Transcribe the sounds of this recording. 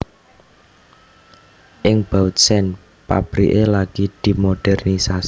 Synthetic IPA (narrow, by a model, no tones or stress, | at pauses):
ʔɪŋb̥aut̪̚sɛn | pa̰b̥ɾḭʔelaɡ̥id̪̥i̤moɖ̥ɛrnisas